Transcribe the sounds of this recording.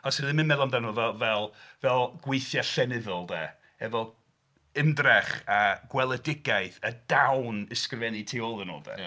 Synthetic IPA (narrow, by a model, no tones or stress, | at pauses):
ɔsəðɪmɪnmɛðɔndanɔvɛlˠvɛlˠvɛlˠɡ̥wejθjaɬɛnɪðəlˠdɛ̰ | ɛvɔlˠ | ɪndrɛχaɡ̥wɛlˠədɪɡajθədawnɪskrɪvɛnitʰeɔlˠəno̰ːlˠdɛ̰